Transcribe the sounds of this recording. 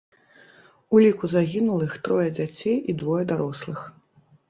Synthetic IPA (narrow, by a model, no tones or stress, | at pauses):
ulʲikuzaɣʲinulˠixt̪ɾɔjɐd͡zʲat͡sʲejid̪vɔjɐd̪aɾɔslˠɨx